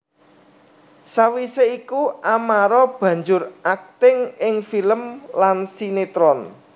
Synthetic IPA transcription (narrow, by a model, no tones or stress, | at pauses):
sawiseikuʔamaɾɔb̥ä̤ɲd͡ʒʊrʔak̚t̪ɪŋɪŋfiləmlansinet̪ɾɔn